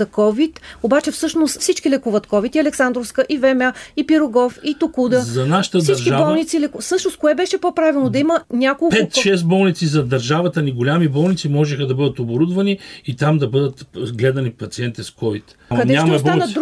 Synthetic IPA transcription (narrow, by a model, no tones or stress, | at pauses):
ɐkɔvit̪obat͡ʃɛfsɤʃnossit͡ʃkilɛkuvət̪kɔvit̪iɐlɛksand̪ɾofskəʔivɛmʲaipiɾʊɡɔfit̪ʊkud̪əzɐnaʃə̥t̪əsd̪ɐɾt͡ʃʒkiabɔlˠnit̪silɛkfsɤʃnos̚koɛbɛʃɛpopɾavilˠnod̪ɐimənʲakolˠpɛt̪ʃɛs̬t̪bɔlˠnit̪sizɐd̪ɐɾʒavɐt̪ɐniɡolʲamibɔlˠnit̪simɔʒɛxɐd̪ɐbɤd̪ət̪oboɾud̪vɐniit̪amd̪ɐbɤd̪ət̪ɡlɛd̪ɐnipɐt̪siɛnt̪iskɔvit̪ | kɐd̪ɛɲamɐbɔanɐd̪ɾ